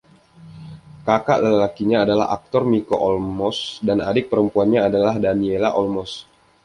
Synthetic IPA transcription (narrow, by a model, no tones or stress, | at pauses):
kaka̰ʔləlakiɲaːdala̰ɦa̰k̚t̪ɔrmikoʔɔlmɔsdanadɪk̚pəɾəmpuanɲaːdalahdanielaʔɔlmɔs